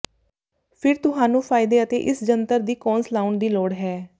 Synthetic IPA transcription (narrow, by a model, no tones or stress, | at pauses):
pʰɪɾt̪ʊɦaːnũːpʰaːɪd̪eːət̪ḛːʔɪsd͡ʒənt̪əɾd̪iːkɔ̃ːnslaːʊɳd̪iːloːɽɦɛː